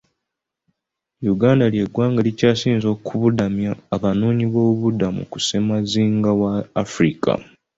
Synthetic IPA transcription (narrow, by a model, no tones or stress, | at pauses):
juɡaːndaljeɡwaːŋɡalicaːsiːnzo̞ːkʰuβudamjaːβanuːɲiβo̞ːβuβudamṵkuse̞maziːŋɡawaːfɾikʰa̰